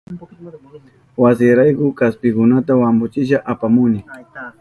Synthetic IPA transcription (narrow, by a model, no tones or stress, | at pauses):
wasɪɾajkʊkaspɪkʊnat̪awambʊt͡ʃɪʃaʔapamʊnɪ